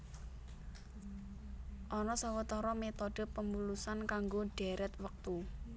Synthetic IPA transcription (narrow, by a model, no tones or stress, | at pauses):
ʔɔnɔsawət̪ɔɾɔmet̪oɖ̥ə̤pəmulusankaŋɡoɖ̥ɛ̤ɾɛt̪̚wək̚t̪u